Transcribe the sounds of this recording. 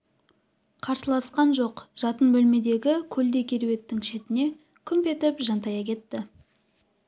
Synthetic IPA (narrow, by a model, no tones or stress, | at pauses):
qʰɑɾsəlˠɑsqɑnʒo̞qʒ̥ɑt̪ənbɵlme̞d̪e̞ɡʲɪkʲʰɵld̪e̞kʲʰe̞ɾwe̞t̪ːɪŋʃe̞t̪ɪne̞ | kʲʰʏmpe̞t̪ɪpʒɑnt̪ɑjɑkʲʰe̞t̪ːɪ